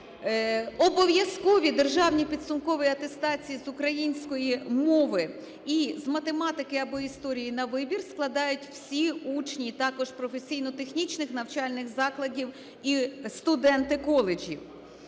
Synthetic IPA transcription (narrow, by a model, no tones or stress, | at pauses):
ɔbɔʋjɐskɔʋʲid̪erʒɑwnʲipʲid̪sʊmkɔʋɪjiɐt̪e̞st̪ɑt͡sʲijizʊkɾɐjinʲsʲkɔjimɔʋɪ | izmɐt̪emɑt̪ɪkɪɐbɔist̪ɔɾʲijinɐʋɪbʲirsklˠɐd̪ɑjʊtʲw̥sʲiut͡ʃnʲit̪ɑkɔʒpɾɔfesʲijnɔt̪exnʲit͡ʃnɪxnɐwt͡ʃɑlʲnɪxzɑklˠɐdʲiw | ist̪ʊd̪ɛnt̪ɪkɔlˠed͡ʒʲḭw